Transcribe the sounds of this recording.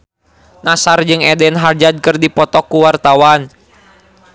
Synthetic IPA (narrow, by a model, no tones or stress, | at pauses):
nasard͡ʒɨŋɛdɛnɦard͡ʒad̚kɨrdipɔt̪ɔkːuwart̪awan